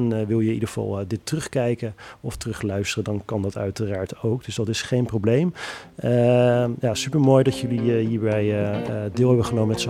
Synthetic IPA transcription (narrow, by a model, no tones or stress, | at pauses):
nʋɪlˠjəidəɣv̥ɑ̰lˠdɪtːrɵχkɛjkəɔftərɵχlœɥstərədɑnkɑndɑtœɥtəraːɹtowk̚dɵsdɑtɪsχejnprowblejməjaːsypəɹmoːjdɑtjɵliɦiːɹbɛjdɪːlˠɦɛbəχənowmənmɛtso